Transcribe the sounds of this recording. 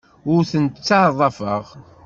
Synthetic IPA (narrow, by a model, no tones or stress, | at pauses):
ʊɾθənt̪t͡sːaʕðˤɑfəʁ